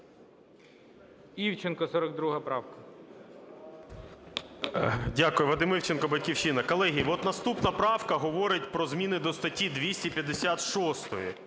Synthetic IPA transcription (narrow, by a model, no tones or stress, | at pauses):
iwt͡ʃenkɔsɔɾɔɡ̚d̪ɾuɦɐpɾɑwkɐ | dʲakʊjʊʋɐd̪ɪmɪwt͡ʃenkɔbɐtʲkʲiwt͡ʃɪnɐkɔlˠɛɦijʋɔt̪nɐst̪upnɐpɾɑwkɐɦɔʋɔɾɪtʲpɾɔzmʲinɪd̪ɔst̪ɐtʲid̪ʲʋʲisʲtʲipʲjɐd̪esʲat̪ʃɔst̪ɔjḭ